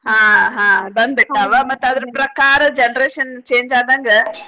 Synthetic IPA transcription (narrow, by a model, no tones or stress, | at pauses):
ɦãːɦãːbɐnd̪beʈːaːʋamɐt̪ːɐd̪ɐɾupɾɐkaːɾɐd͡ʒɛnɐɾeːʃɐnt͡ʃeːɲd͡ʒaːd̪aːŋɡɐ